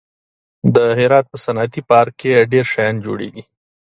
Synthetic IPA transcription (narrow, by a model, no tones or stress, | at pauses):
d̪əɦɪɾɑt̪̚pəsanɑt̪ipɑɾkeɖeɾʃajɑnd͡ʒo̰ɽḛɡi